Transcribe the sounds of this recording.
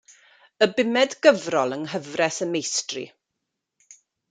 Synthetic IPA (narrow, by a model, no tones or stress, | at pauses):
əbɪmɛdɡəvrɔlˠənɦəvrɛsəmejstrḭ